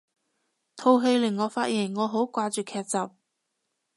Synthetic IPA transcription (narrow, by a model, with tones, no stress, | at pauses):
t̪ʰo˧wɦe˧jlɪ˨˩ŋːɔː˨˧faː˧t̚jiː˨˩nŋɔː˨˧ɦo˨˥wkʷaː˧t͡ʃyː˨kʰɛː˧t̚t͡sɐ˨p̚